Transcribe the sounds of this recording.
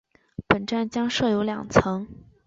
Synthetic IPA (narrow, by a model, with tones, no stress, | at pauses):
pə˨˩nʈ͡ʂa˥˧nt͡ɕjɑ˥ŋʂɤ˥˩jo˧˥ʊljɑ̰˨˩ŋt͡sʰɤ˧˥ŋ